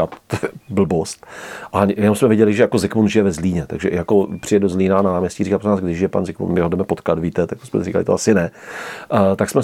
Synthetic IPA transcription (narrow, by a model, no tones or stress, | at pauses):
at̪bl̩bost̪ʔaɲjɛnomsmɛvjɪɟɛlɪʒɛjako̞zɪkmunʒɪjɛvɛzliːɲɛt̪a̰ɡʒɛjako̞pr̥ɪjɛduzlinaːnanaːmɲɛsciɾikapɾonaːzɡdɪʒʒɪjɛpa̰nzɪkmṵnmɪɦodɛmɛpot̪kat̪viːt̪ɛt̪akto̥smɛ̰rika̰lɪ̰t̪oʔasɪnɛ | t̪aksmɛ